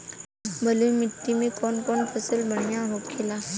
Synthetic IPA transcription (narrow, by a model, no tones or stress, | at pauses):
bʱəlumit̪ːimekɔnkɔɳpʰəsəlbəɳjaɦokʰela